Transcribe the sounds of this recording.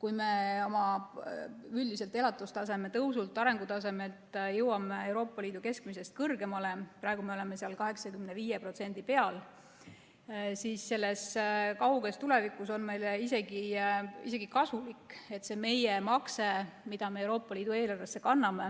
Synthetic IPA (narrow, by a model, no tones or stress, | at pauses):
kujme̞o̞mɑ | yld̪ise̞lt̪e̞lɑt̪ːˑust̪ɑs̬e̞me̞t̪ɤwsult̪ːˑɑɾe̞ŋɡ̥ut̪ɑse̞me̞lt̪jɤwɑmeewɾo̞ːpˑːɑliːd̪̥uke̞skmise̞st̪̚kɤrɡe̞mɑle̞pɾɑeɡume̞o̞le̞me̞seɑlkɑɦe̞ksɑkymne̞viːjepro̞t̪se̞nʲd̪ipe̞ɑl | siːsːe̞lːe̞skɑwɡe̞st̪ule̞vikuso̞nme̞jlise̞ɡiḭse̞ɡ̥ikɑsulike̞t̪ːse̞me̞jemɑkse̞mid̪̥ɑme̞eːwɾo̞ːpːˑɑliːd̪̥ue̞ːlɑrve̞sːe̞kɑnːɑme̞